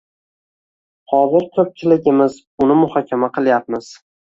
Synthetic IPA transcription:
hɒzɪɾkʲʰɵp̚t͡ʃʲʰɪlɪɡʲɪmɪz | ʊnɪmʊhɒkʲʰamaqʰɨlˠjap̚mɪz̥

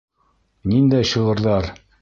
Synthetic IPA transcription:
nind̪æɕɤ̆ʁɤ̆ɾðɑɾ

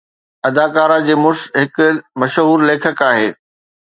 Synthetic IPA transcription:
ɐd̪aːkaːɾãd͡ʑeːmʊsɦɪkmɐʃɦuːɾleːkʰəkaːɦeː

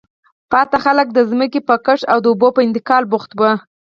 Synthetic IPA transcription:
pɑt̪axalək̚d̪əzməkepəkəʂawd̪əubopəɪnt̪ɪkɑlbʊxt̪wə

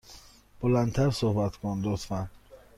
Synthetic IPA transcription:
b̥olænt̪ʰæɾsohbæt̪kʰond̪ot̪fæn

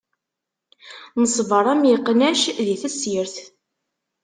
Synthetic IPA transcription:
nəsˤvəɾˤæmjiqːnæʃðiθæsjəɾθ

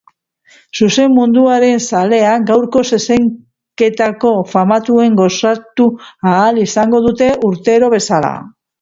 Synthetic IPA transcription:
suse̞mːund̪uaɾe̞nsale̞aɡawɾko̞se̞seŋ | ke̞t̪ako̞famat̪ue̞ŋɡo̞sat̪uaːlisaŋɡo̞ð̞ut̪e̞ʔuɾt̪e̞ɾo̞β̞e̞sala̰

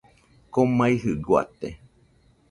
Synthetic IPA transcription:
komãiɦɨɡwa̰t̪e

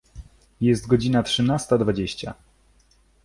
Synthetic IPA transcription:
jɛst̪ɡɔd͡ʑinatʂɘnast̪ad̪vad͡ʑeɕt͡ɕa̰

